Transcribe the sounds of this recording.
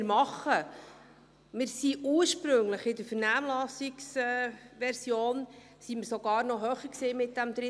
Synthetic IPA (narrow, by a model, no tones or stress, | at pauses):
ɾmɑχːə | mɪɾsiʔuːɾʃpɾɵŋləχɪdəɾfəɾnæːmlɑsiksɛʋɛɾsjoːn | simɪɾsɔɡɑːɾnɔɦœːχəksiːmɪt̚d̥æmd̥̪ɾɪ